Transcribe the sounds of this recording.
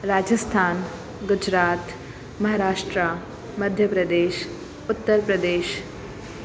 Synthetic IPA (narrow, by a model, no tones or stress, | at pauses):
ɾaːd͡ʒəst̪ʰaːn | ɡud͡ʒɾaːt̪ | mɐɦaɾaːʂʈɾa | mɐd̪ʱjɐpɾɐd̪eːʃ | ʊt̪ːəɾpɾɐd̪eːʃ